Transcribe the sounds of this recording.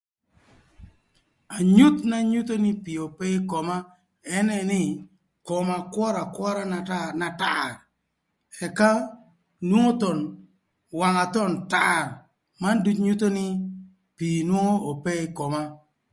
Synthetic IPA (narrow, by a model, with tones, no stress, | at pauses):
a˨ɲu˦t̪na˦ɲu˦t̪o˦nɪ˦pi˨o˨pɛ˦kɔ˨ma˦ | ɛ˦nɛ˦nɪ˦ | kɔ˨ma˨kwɔ˦ɾa˨kwɔ˦ɾa˦na˨ta˦r | ɛ˨ka˦ | nwo˦ŋo˦t̪ɔ˨n | wa˨ŋa˨t̪ɔ˦˨nta˦˨r | ma˦ndu˦tɲu˦t̪o˦nɪ˦ | pi˨nwo˦ŋo˦o˨pɛ˦ɪ˦kɔ˨ma˦